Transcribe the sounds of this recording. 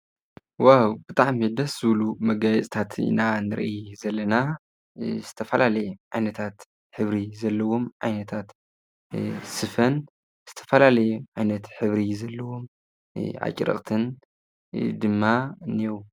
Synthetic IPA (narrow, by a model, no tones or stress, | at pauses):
wawb̥ɨt̪ʼaʕmid̪ɐsz̥ɨβlumɐɡajɛt͡sʼt̪ʰat̪ḭnanɨɾʔizɐlːɐna | z̥ɨt̪ʰɐfɐlalɐjɛʕajnɐt̪ʰat̪ | ħɨβɾizɐlːɐwomʕajnɐt̪ʰat̪ | sɨfɐn | z̥ɨt̪ʰɐ̥fɐlalɐjuʕajnɐt̪ħɨβɾizɐlːɐwom | ʔa̰t͡ʃʼɾɐ̰χʼt̪ʰɨn | d̪ɨmːaniew